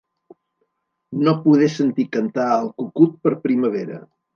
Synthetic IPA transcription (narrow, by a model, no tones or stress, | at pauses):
nopuð̞esənt̪ikənt̪aəlˠkukut̪̚pəɾpɾiməβ̞eɾə̰